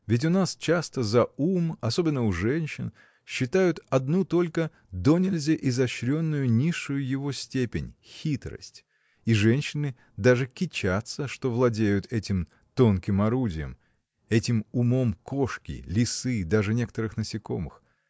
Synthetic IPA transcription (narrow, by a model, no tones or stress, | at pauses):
vʲɪt̬ʲʊnast͡ɕast̪əzɐumɐso̞bʲɪnːəʊʐɛnʲɕːɪn | ɕːɪt̪ajʊt̪ɐd̪nut̪o̞lʲkə | d̪onʲɪlʲzʲəʔɪzɐɕɾʲo̞nːʊjʊnʲiʂːʊjʊjɪvo̞sʲtʲepʲɪnʲxʲit̪ɾə̰sʲtʲ | iʐɛnʲɕːɪnɨ | d̪aʐɨkʲɪt͡ɕat̪səʂt̪o̞vlˠɐdʲejʊt̪ʰɛtʲɪm | t̪o̞nkʲɪmɐɾudʲɪjə̰m | ɛtʲɪmʊmomkoʂkʲɪ̰lʲɪsɨd̪aʐɨnʲe̞kə̥t̪əɾɨxnəsʲɪko̞̰mɨ̰x